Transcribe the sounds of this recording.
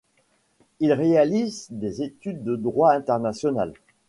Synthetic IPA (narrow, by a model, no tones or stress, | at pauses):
ilʁealizd̪ezet̪yd̪ːəd̪ʁwaɛ̃t̪ɛʁnasjɔna̰l